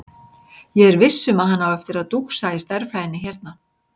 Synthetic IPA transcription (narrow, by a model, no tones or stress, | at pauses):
jɛɣɛɾvɪsːʏmaðɦanːawɛft̪ɪɾaðt̪uksajɪst̪ɛɾflajɪnːɪçɛɾt̪̚na